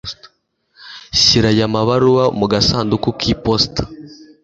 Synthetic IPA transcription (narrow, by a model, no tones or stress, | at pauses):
ɕiɾajamaβaɾuwamuɡasaːndukukʰipostḁ